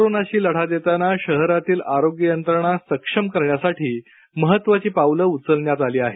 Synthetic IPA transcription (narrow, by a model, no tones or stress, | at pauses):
koɾonaɕiːləɽ̤ad̪et̪anaɕəɦɾat̪iːlaɾoɡjənt̪ɾəɳ̃asəkʂəmkəɾɳjasaʈʰiː | məɦət̪ːʋat͡ɕiːpawləut͡səlɳjat̪aliːaɦe